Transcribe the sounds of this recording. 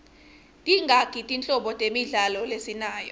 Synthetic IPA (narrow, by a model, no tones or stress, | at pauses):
tʼiŋɡʱakʼitʼint͡ɬʼɔɓɔtʼemiɮalɔlesinaːjɔ